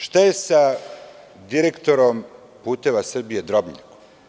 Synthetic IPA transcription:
ʃt̪ajesa | d̪iɾe̞kt̪o̞ɾom | puːt̪e̞ʋasr̩bije̞d̪ɾo̞bɲa̰ko̥

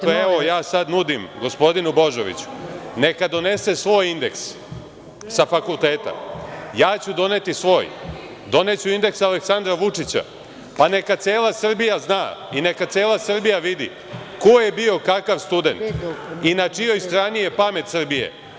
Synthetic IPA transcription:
eojaːsad̪nud̪imɡo̞spo̞d̪inubo̞ʒoʋḭt͡ɕu̥ne̞kad̪o̞ne̞se̞sʋo̞ːjind̪e̞̰ksː | afakulˠt̪e̞ːt̪a̰jaːt͡ɕud̪o̞ne̞t̪isʋo̞ːj | d̪o̞ne̞t͡ɕuind̪e̞ksaleksand̪ɾaʋut͡ʂit͡ɕa̰ | pane̞kat̪seːlˠasr̩bijaznaːine̞kat̪eːlˠasr̩bijaʋid̪ḭ | ko̞jebio̞kakaʋst̪ud̪e̞̰nt̪inat͡ʂijo̞jst̪ɾaːnije̞pame̞t̪sr̩bijḛ

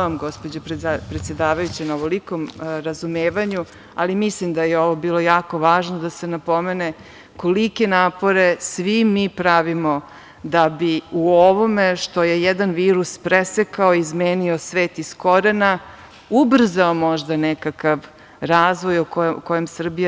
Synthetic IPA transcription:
amɡo̞spod͡ʑoppɾet̪sje̞d̪aːʋajut͡ɕenaoʋolikomɾazumeːʋaɲu | alimislimd̪ajeo̞ʋo̞biːlˠo̞jaːko̞ʋaːʒnod̪ase̞napo̞me̞ne | ko̞like̞naːpo̞ɾesʋimiːpɾaʋimo̞ | d̪abiuoʋomeʃt̪o̞jejɛd̪anʋiːɾuspɾesekaoizmeːnio̞sʋeːt̪isko̞ɾena | ubr̩zaomo̞ʒd̪anekakaʋ | ɾaːzʋo̞jokko̞jemsr̩bija

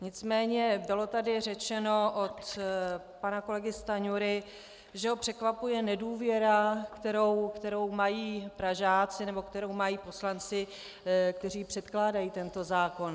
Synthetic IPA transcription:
ɲɪt͡smɛːɲɛbɪlo̞t̪adɪr̝ɛt͡ʃɛno̞ʔot̪ | panako̞lɛɡɪst̪aɲuɾɪ | ʒɛɦopr̝̥ɛkvapujɛnɛduːvjɛɾakt̪ɛɾo̞wkt̪ɛɾo̞wmajiːpɾaʒaːt͡sɪnɛbo̞kt̪ɛɾo̞wmajiːpo̞slant͡sɪ | k̚t̪ɛriːpr̝̥ɛt̪klaːdajiːt̪ɛnt̪o̞zaːko̞n

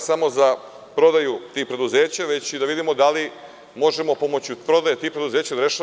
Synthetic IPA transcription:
samo̞za | pɾo̞d̪ajut̪iːpɾe̞d̪uze̞ːt͡ɕaʋe̞t͡ɕid̪aʋid̪imo̞d̪ali | mo̞ʒe̞mo̞po̞mo̞t͡ɕupɾo̞d̪ajet̪iːpɾe̞d̪uze̞ːt͡ɕad̪ɾeʃa

